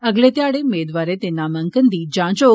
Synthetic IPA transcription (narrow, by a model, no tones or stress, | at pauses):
əɡlet̪jaɽemed̪ʋaɾet̪enːaməŋkənd̪iːd͡ʑãt͡ɕo